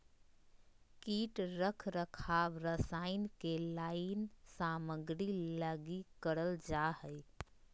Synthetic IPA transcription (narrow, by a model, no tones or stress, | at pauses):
kiʈɾəkʰɾəkʰabɾəsaɪnkelaɪnsaməɡɾiləɡikəɾəld͡ʒahəj